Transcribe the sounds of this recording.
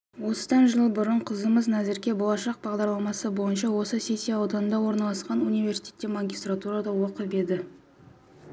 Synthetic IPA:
wo̞sə̥d̪ɑnʒəlˠbʊɾəɴqʰəzəməznæzɪɾkʲe̞bo̞lˠɑʃɑq̚bɑʁd̪ɑɾlˠɑmɑsəbo̞jənʃ̬ɑwo̞səse̞sʲːijaːwd̪ɑnənd̪ɑwo̞ɾnɑlˠɑsqɑnunivʲe̞rsi̥t̪ʰʲe̞t̪ːemaŋɡʲist̪rat̪uɾad̪ɑwo̞qəpbe̞d̪ɪ

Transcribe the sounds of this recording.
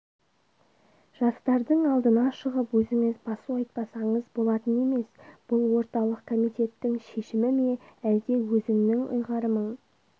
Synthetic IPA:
ʒ̥ɑst̪ɑɾd̪əɴɑlˠd̪ənɑʃəʁəpwɵzɪŋɪzbɑsuɑjt̪̚pɑsɑɴəzbo̞lˠɑt̪əne̞me̞sb̥ʊlˠwo̞ɾt̪ɑlˠəq̚kʰo̞mijt̪e̞t̪ːɪŋʃe̞ʃɪmɪmeæld̪e̞wɵzɪŋnɪŋʊ̰jʁɑɾəməɴ

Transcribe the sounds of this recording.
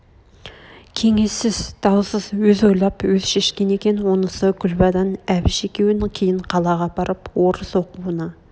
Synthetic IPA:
kʲʰe̞ŋesːɪzd̪̥ɑwsəz̥wɵzojlˠɑpwɵz̥ʃeʃkʲenekʲenwonəsəkʰʲʊlbɑd̪ɑnævɪʃekʲewɪnɪŋkʲʰejɪɴqʰɑlˠɑʁɑbɑɾəpwoɾəsoquwənɑ

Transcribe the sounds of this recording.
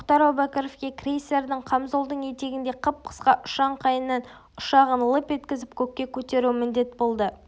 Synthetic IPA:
mʊqt̪ɑɾɑwbækʲəɾofkʲe̞krʲejse̞ɾd̪əɴqʰɑmzolˠd̪əɴje̞t̪e̞ɡʲɪnd̪e̞qʰəp̚qʰə̥sqɑʔʊʃɑɴqʰɑjənːɑn | ʊʃɑʁənlˠəpe̞t̪kʲɪzɪpkʲʰɵkʲːe̞kʲʰɵt̪e̞ɾumɪnd̪e̞t̪bo̞lˠd̪ə

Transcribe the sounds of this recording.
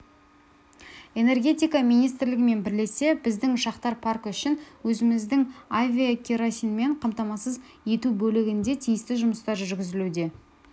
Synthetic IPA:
e̞ne̞rɡʲe̞t̪ijkɑmijnijst̪ɪɾlɪɡʲɪme̞nbɪɾle̞se̞bɪzd̪ɪŋʃɑqt̪ɑɾpʰarkʏʃɪnwɵzɪmɪzd̪ɪŋavʲiakʲʰeɾosʲijnme̞ɴqʰɑmt̪ɑmɑsəz | e̞t̪ubɵlɪɡʲɪnd̪e̞t̪ʰijɪst̪ɪʒʊməst̪ɑʒʏʏɾɡʲɪzɪlud̪e̞

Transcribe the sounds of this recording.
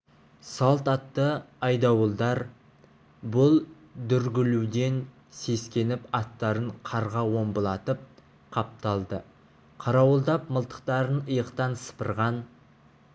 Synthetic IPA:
sɑlˠt̪ɑt̪ːəɑjd̪ɑwəlˠd̪ɑɾ | bʊlˠ | d̪ʏɾɡʲɪlud̪e̞n | se̞skʲe̞nɪpɑt̪ːɑɾəɴqʰɑɾʁɑwo̞mbəlˠɑt̪əp̚ | qʰɑp̚t̪ɑlˠd̪ə | qʰɑɾɑwəlˠd̪ɑp̚məlˠt̪ə̥q̚t̪ɑɾənəjəqt̪ɑnsə̥pəɾʁɑn

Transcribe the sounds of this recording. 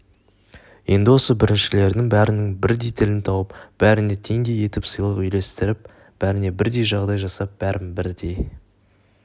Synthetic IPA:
je̞̰nd̪ɪwo̞səbɪɾɪnʃɪle̞ɾd̪ɪŋbæɾɪnɪŋbɪɾd̪ejt̪ʰɪlɪnt̪ʰɑwəpb̥æɾɪnet̪ʰe̞ŋd̪e̞je̞t̪ɪpsəjlˠəqʏjle̞st̪ɪɾɪp̚ | b̥æɾɪne̞bɪɾd̪e̞jʒɑʁd̪ɑjʒɑsɑp̚b̥æɾʔɪmbɪɾd̪e̞j

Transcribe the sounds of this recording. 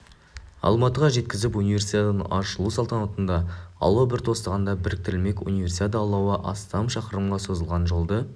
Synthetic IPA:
ɑ̰lˠmɑt̪əʁɑʒe̞t̪kʲɪzɪpunijvʲe̞rsit̪at̪ənɑ̰ʃlˠusɑlˠt̪ɑnot̪ənd̪ɑɑ̰lˠəbɪɾt̪ʰo̞st̪ɑʁɑnd̪ɑbɪɾɪk̚t̪ɪɾɪlme̞kṵnijvʲe̞rsit̪at̪əɑlˠːɑwɑʔɑ̰st̪ɑmʃɑqəɾəmʁɑso̞zəlˠʁɑnʒo̞lˠd̪ə

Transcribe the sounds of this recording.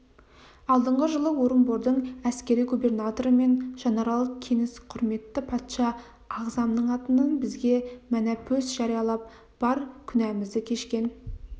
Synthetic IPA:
ɑlˠd̪əɴʁəʒəlˠəwo̞ɾəmbo̞ɾd̪əɴæskʲe̞ɾijɡube̞rnat̪o̞ɾəme̞nʒ̥ɑnɑɾɑlˠəq̚kʲʰe̞ŋɪsqʰʊɾme̞t̪ːɪpʰɑt̪ʃɑː | ʁzɑmnəɴɑt̪ənənbɪzɡʲe̞mænæpʰɵsʒɑɾijɑlˠɑp̚ | b̥ɑɾkʲʰʏnæmɪzd̪ɪkʲʰe̞ʃkʲe̞n

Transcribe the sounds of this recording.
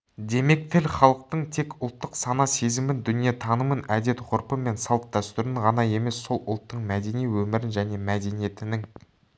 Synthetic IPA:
d̪e̞me̞k̚t̪ʰɪlχɑlˠəq̚t̪əɴt̪ʰe̞kʊlˠt̪ːəqsɑnɑse̞zɪmɪnd̪ʏnije̞t̪ʰɑnəmənæd̪e̞t̪qʰʊɾpəme̞nsɑlˠəp̚d̪æst̪ʏɾɪɴʁɑnɑje̞me̞sːo̞lˠʊ̰lˠt̪ːəɴmæd̪e̞nijwɵmɪɾɪnʒæne̞mæd̪e̞nije̞t̪ɪnɪŋ

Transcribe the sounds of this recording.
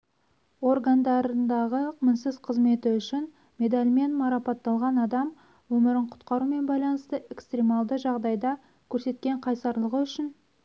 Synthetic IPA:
o̞rɡand̪ɑɾənd̪ɑʁəqmənsɪzqʰəzme̞t̪ɪʏʃɪn | mʲe̞d̪alʲme̞nmɑɾɑpɑt̪ːɑlˠʁɑnɑd̪ɑm | wɵmɪɾɪɴqʰʊ̥t̪qɑɾume̞nbɑjlˠɑnəst̪əe̞kst̪rʲemɑlˠd̪əʒɑʁd̪ɑjd̪ɑ | kʲʰɵɾse̞t̪̚kʲe̞ɴqʰɑjsɑɾlˠəʁəʏʃɪn

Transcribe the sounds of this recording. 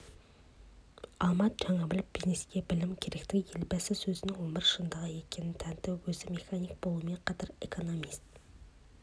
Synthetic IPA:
ɑlˠmɑt̪̚d͡ʒɑŋɑbɪlɪpbizneskʲebɪlɪmkʲʰeɾɪkʲt̪ʰɪɡʲɪjelbɛsɪzsøzɪnɪŋwombɪɾʃɨnd̪ɑʁɑjekʲʰenɪt̪ʰɛnt̪ʰɪwøzɪmexɑnik̚bolˠumeqʰɑt̪ɑɾekʰonomist̪̚

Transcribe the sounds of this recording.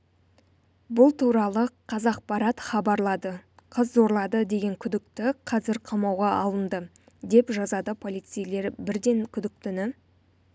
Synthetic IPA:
bʊlˠt̪ʰuɾɑlˠəqʰɑzɑq̚pɑɾɑt̪χɑbɑɾlˠɑd̪əqʰəzzo̞ɾlˠɑd̪əd̪e̞ɡʲe̞ŋkʲʰʏd̪ɪk̚t̪ɪqʰɑzɪɾqʰɑmɑwʁɑʔɑlˠənd̪ə | d̪e̞pʒɑzɑd̪əpʰo̞lˠijt̪sɨjle̞ɾbɪɾd̪e̞ŋkʲʰʏd̪ɪk̚t̪ɪnɪ

